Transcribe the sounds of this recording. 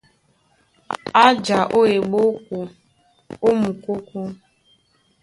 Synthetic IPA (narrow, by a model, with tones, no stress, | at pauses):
a˦d͡ʒa˨ʔo˦e˨ɡ͡bo˦k | o˦mu˨ku˦kʷu˦